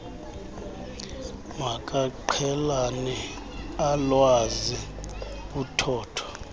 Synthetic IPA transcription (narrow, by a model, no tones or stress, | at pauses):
mak̬ʼaǃʰɛlanɛ | alwaziɓutʰɔːtʰɔ̥